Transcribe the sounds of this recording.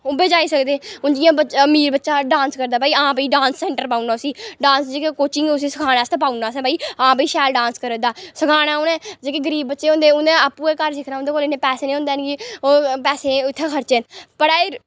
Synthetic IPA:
ʊbeːd͡ʒaːiːsəkd̪eːʊnd͡ʒɪjãːbəmiːɾbətːʃaːɖãːnskəɾd̪aːpaːiːãːp̬əiːɖãːnsːɛ̃ːɳʈəɾpaːunaːʊsiːɖãːnsd͡ʒeːkekoːt͡ʃɪ̃ŋʊsĩːsəkʰaːɽaːst̪apaːʊnaːsɛ̃ːbaːiːãːpiːʃɛːlɖãːnskəɾəd̪aːsəkʰaːɽ̃aːʊːnɛ̃ːd͡ʒeːkeːɡəɾiːbːətːʃeːõːnd̪eːʊnd̪eaːpːuːeːkəɾsɪkʰnaːʊnd̪eːkoːlenẽːpɛːseːnĩːõnd̪aːnɡipɛːsẽːʊt̪ʰːẽːkʰəɾt͡ʃeːnpəɽaːɪɾ

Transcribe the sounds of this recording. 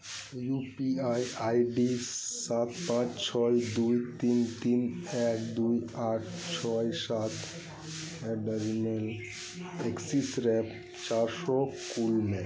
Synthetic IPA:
jupiajajɖisat̪ʰpãt͡ʃt͡ʃʰɔjd̪ujt̪int̪inɛkd̪ujaʈʰt͡ʃʰɔjsat̪ʰ | ɛɖəɾimel | eksisɾɛp | t͡ʃaɾsɔkulmẽ

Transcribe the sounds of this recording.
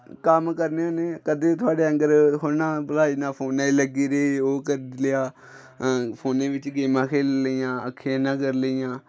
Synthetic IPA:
kəmkəɾneoːneːkəd̪eːt̪ʰʊaːɖeːə̃ŋɡəɾɦoɾnãːbəlaːiːnaːpʰoːnaːiːləɡiːɾeːoːkəɾleaː | pʰoːnẽːʋɪt͡ʃɡeːmãːkʰeːlləijãːəkʰːeãːnãːkəɾləiːjãː

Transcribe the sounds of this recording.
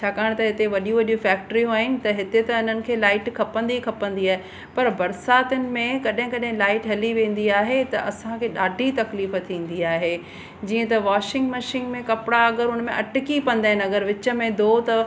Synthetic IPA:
t͡ɕʰaːkaːɽ̃t̪ɐɦɪt̪eʋɐɗijũʋɐɗijũfɛːk̚ʈəɾiũɦaːɦɪnɪ̆t̪ɐɦɪt̪et̪ɐʊn̤ənɪ̆kʰeːlaːɪʈkʰɐpə̃n̆d̪ikʰɐpə̃n̆d̪iaːɦe | pɐɾbɐɾsaːt̪ənɪ̆mẽkɐɗɦɪ̃kɐɗɦɪ̃laːɪʈɦɐliʋẽːn̆d̪iaːɦet̪ɐ̰ʔɐsãkʰeːɗaːɖʱit̪ɐkliːfət̪ʰĩːn̆d̪iaːɦeː | d͡ʑiːə̃t̪ɐʋaːʃɪ̃ŋɡmɐʃɪ̃ŋɡmẽkɐpɪɽaɐɡəɾʊnəmẽʔɐʈɪkipɐ̃nd̪aːɦɪ̃nɐɡəɾʋɪt͡ɕə̆mẽd̪ʱoːt̪ɐ

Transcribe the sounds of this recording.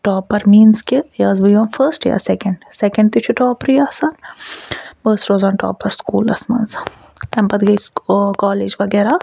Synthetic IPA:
ʈɔːpɐɾmiːnskijaːzbɐjõːnfʰəːsʈja̰ːsɛkɐɳɖsekɐ̃ɳɖ̚t̪it͡ʃʰuʈɔːpɾjaːsaːn | bəːsʈɾoːzaːɳʈɔ̰ːpɐɾskuːlɐsmɐ̰ns | ɛmpɐt̪ɡɐkɔːleːd͡ʒʋɐɡɛːɾa

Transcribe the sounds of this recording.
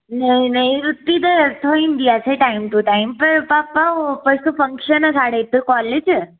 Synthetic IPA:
nəinəjɾut̪ːid̪et̪ʰoinɖ̪iaseʈaimt̪uʈaimpəɾpapapəsũfəŋkʂənəsaɽet̪ːəkɔled͡ʑ

